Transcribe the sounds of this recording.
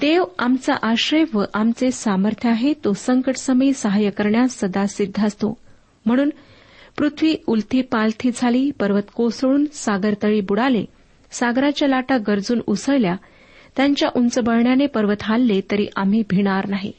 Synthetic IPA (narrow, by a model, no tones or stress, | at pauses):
t̪eʋamt͡sa̰ʔaɕɾeʋəʔamt͡sesaməɾt̪ʰjəaɦet̪osəŋkəʈsəmiːsəɦajəkəɾɳjasːəd̪asid̪ʱːast̪o̰ | m̤əɽ̃uːn | pɾut̪ʰʋiːult̪ʰiːpalt̪ʰiːd͡zʱaliːpəɾʋət̪kosɭuːnsaɡəɾt̪əɭiːbuɽale | saɡɾat͡ɕjalaʈaɡəɾd͡zuːnusəɭlja | t̪jaɲt͡ɕjaʔunt͡səbəɭɳjanepəɾʋət̪ɦalːet̪əɾḭːʔam̤iːbʱiɽ̃aɾnaɦḭ